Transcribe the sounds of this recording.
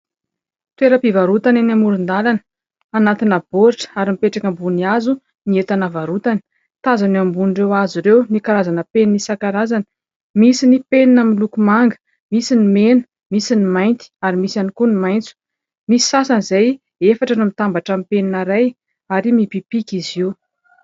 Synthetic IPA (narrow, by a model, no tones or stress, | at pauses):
t̪weɾəpivaɾut̪ananamuɾund̪alanə̥ | anat̪inab̥oʈ͡ʂə̥aɾimipeʈ͡ʂakʲəmbuniazu | niet̪anavaɾut̪ani̥ | t̪azanambunɖ͡ʐewaziɾewnikaɾazanəpennisakaɾazanə̥ | misinipeninamilukumaŋɡə̥ | misinimenə̥ | misinimajnt̪i̥aɾimisanikunimajnt͡su̥ | misi̥sasanizaj | efaʈ͡ʂənumit̪ambaʈ͡ʂamipeninəɾaj | aɾimipipikʲiziw